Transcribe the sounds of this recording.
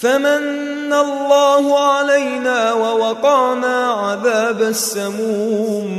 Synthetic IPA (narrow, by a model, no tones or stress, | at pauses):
famanː | alˤːɑːhʊʕalajnaːwawɑqɑːnaːʕaðaːbasːamuːm